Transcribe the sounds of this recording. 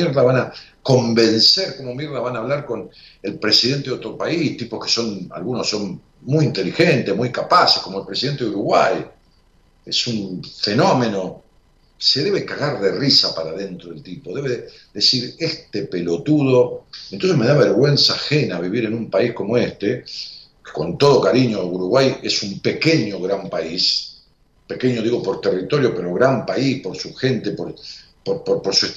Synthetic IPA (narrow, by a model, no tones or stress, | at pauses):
mjeɾðaβanako̞mbe̞nseɾko̞momjeɾðaβanaːβlaɾko̞n | elpɾe̞siðe̞nt̪eot̪ɾopaist̪ipo̞hke̥so̞na̰lɣunoson | mujint̪e̞lixe̞nt̪emujkapase̥hkomoelpɾesiðe̞nt̪eðuɾuɣwa̰j | esuɱfe̞no̞me̞no̞ | se̞ðe̞βekaɣaɾðerisapaɾaðe̞nt̪ɾoðelt̪ipoðe̞βe | ðe̞siɾest̪epelo̞t̪uðo̞enonsemeðaβeɾɣwe̞nsaxenaβiβiɾe̞numpaihko̞moest̪e | ko̞nt̪o̞ð̞o̞kaɾiɲouɾuɣwajesumpe̞keɲoɣɾampais | pe̞keɲoðiɣo̞po̞ɾt̪e̞rit̪o̞ɾjope̞ɾo̞ɣɾampaispo̞ɾsuxe̞nt̪epoɾ | poɾpoɾpoɾsue